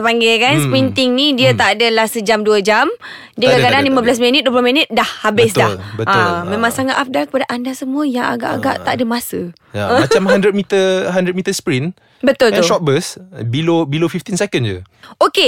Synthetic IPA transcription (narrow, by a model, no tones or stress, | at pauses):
səpaŋɡilkansəpɾint̪ɪŋnĩdiət̪aʔadalahsəd͡ʒamduəd͡ʒam | diəkakadanlimãbəlas̬mənət̪̚duəplominət̪̚dahːabɪsddalbəamẽmãŋsaŋat̪ʔaf̚dakəpadaʔandasəmũəjaŋa̰ɡa̰ʔaɡa̰ʔt̪aʔadəmasə | jãat͡ʃamɦandɾət̪̚mit̪əɦandɾət̪̚mit̪əspɾin | bət̪ʊlɛt̪ʊʃɔt̪̚bəsbilobilofift̪insɛkənd͡ʒə̰oke